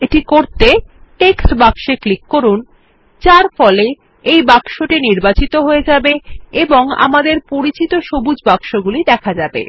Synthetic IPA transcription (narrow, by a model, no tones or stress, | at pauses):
eʈikoɾt̪eʈeksʈbakʃeklikːoɾun | t͡ɕaɾfɔle | ejbaɡʃoʈiniɾbat͡ɕit̪oɦoed͡ʑabeeboŋa̰mad̪eɾpoɾit͡ɕit̪oʃobud͡ʑbakʃoɡulid̪ɛkʰad͡ʑabḛ